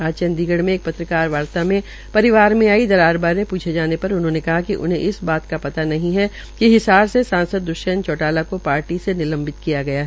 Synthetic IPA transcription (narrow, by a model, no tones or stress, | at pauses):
aːd͡ʒt͡ʃɐ̃nd̪iːɡəɽmẽːk̚pɐt̪ɾəkaːɾʋaːɾt̪amẽ | pɐɾɪʋaːɾmẽaːid̪ɐɾaːɾbaːɾẽpuːt͡ʃʰed͡ʒaːnepɐɾʊnɦõːnekɐɦakiʔʊ̰nɦẽʔɪsbaːt̪kapɐt̪anɐɦĩɦɛ | kiɦɪsaːɾsesãːnsəd̪ːʊʃənt͡ʃɔːʈaːlakopaːɾʈisenɪlɐ̃mbɪt̪kijaɡɐjaɦɛ